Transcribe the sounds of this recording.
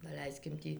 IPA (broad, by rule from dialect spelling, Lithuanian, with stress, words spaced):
dɐˈlʲɛɪsʲkʲɪm ˈtʲiː